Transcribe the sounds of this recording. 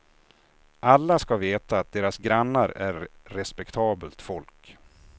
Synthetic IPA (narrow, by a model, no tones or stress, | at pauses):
ʔalːaskaveːt̪aːt̪̚d̪eːɾasɡɾanːaɾæɾːɛspɛkt̪ʰɑːbəlt̪fɔlk